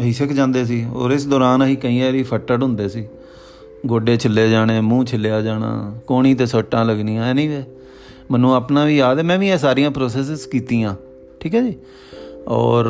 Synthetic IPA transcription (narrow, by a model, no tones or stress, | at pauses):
əɦiːsɪkʰd͡ʒãːnd̪eːs̬iːɔ̰ːɾɪsd̪ɔːɾaːnəɦiːkəĩːɛ̃ːɾiːpʰəʈːəʈʊ̃nd̪eːsiː | ɡoːɖeːt͡ʃʰəlːeːd͡ʒaːɽ̃eːmũːt͡ʃʰəlejaːd͡ʒaːɽa̰ːkoːɳ̃iːt̪̬eːsəʈːãːləɡniːãːɛːnəĩːʋɛː | mənũːaːpnaːʋiːaːd̪ɛːmɛ̃ːʋiːɛːs̬aːɾijãːpɾoːsɛːs̬ɪzkiːt̪iːãː | ʈʰiːkɦɛːd͡ʒiː | ɔ̰ːɾ